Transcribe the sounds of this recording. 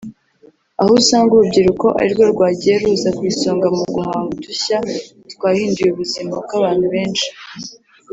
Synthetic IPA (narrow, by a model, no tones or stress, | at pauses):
ahosaːŋɡuɾub̚ɟiɾuko̞ʔa̰ɾiɾɡo̞ɾɡwaːɟije̞ɾuːzakwiːso̞ːŋɡamuɡuhaːtuɕa | twaːhiːndujuβuzimab̚ɡaβaːn̥huβe̞ːnʃi̥